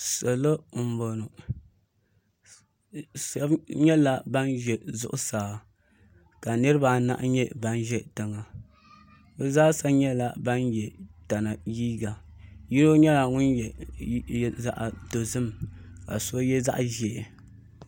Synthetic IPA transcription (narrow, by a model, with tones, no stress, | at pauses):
sɛ˨lo˦˨m̩˨bo˨no˨ | sa˨˦bɲɛ˦la˦ba˦nʒɛ˨zʊ˦ʔʊ˦saː˨ | ka˨nɨ˦ɾɨ˦ba˨na̰˦ʔɲɛ˦ba˦nʒɛ˦tɨ˨ŋa˨ | bɛ˦zaː˦sa˦ɲɛ˦la˦ba˦njɛ˨ta˨na˨jiː˦ɡa˨ji˦ɾo˦ɲɛ˦la˨ŋʊ˦njɛ˨˦˨ | za̰˦ʔa˨to˨zɨ˦mka̰˨so˦jɛ˦za̰˦ʔʒɛ˨